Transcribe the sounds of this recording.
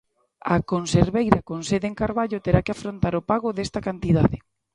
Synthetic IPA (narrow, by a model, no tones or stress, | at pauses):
akonseɾβejɾakonseðeŋkaɾβaʎʊt̪eɾakɪafɾont̪aɾʊpaɣʊðest̪akant̪iðaðɪ